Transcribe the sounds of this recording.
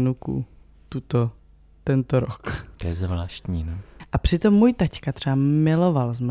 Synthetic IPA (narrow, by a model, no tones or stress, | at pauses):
nukṵ | t̪ut̪o | t̪ɛnt̪oɾokt̪ojɛzvlaːʃt̪ɲiːnoʔapr̥ɪt̪o̞mːuːjt̪ackat̪r̝̥ɛamɪlo̞valzm